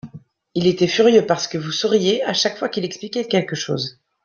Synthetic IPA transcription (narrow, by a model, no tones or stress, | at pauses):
ilet̪ɛfyʁjøpaʁsə̥kəvusɔʁjeaʃakfwakilɛksplikʲɛkʲɛlkəʃo̰ːz